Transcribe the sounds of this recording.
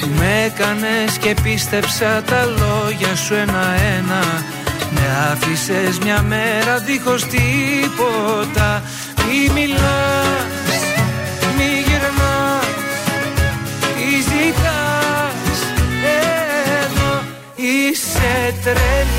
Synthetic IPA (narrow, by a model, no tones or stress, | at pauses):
umekɐne̞sce̞pist̪e̞psɐt̪ɐlo̞ʝɐsue̞nɐe̞nɐ | me̞ɐfise̞zmɲɐmeɾɐðixo̞st̪ipo̞t̪ɐ | mimilɐ | s | miʝeɾnɐ | izikɐ | seðo | iset̪ɾe